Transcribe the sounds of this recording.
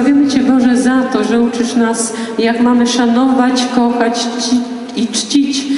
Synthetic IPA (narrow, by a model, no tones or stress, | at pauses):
avʲjɛmɘt͡ɕɛbɔʐɛzat̪ɔʐɛut͡ʂɘʂnas | jakmamɘʂanɔvat͡ɕkɔxat͡ɕt͡ɕi | it͡ʂt͡ɕit͡ɕ